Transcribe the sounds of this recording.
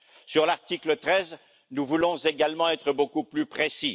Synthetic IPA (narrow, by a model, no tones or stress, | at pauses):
syʁlaʁt̪iklət̪χɛz | nuvulɔ̃zeɡalmɑ̃ɛt̪χəbokuplypχesi